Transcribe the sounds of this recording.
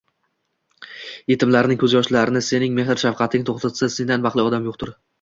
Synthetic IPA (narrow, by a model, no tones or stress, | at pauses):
je̞t̪ʰɪmlaɾɪnɪŋʲkʰɵzjɒʃlaɾɪnɪse̞nɪŋme̞hɪɾʃafqʰɑt̪ʰɪŋt̪ʰoχt̪ʰat̪ʰsase̞nd̪anvɑqlˠɪɒd̪amjoqt̪ʊɾ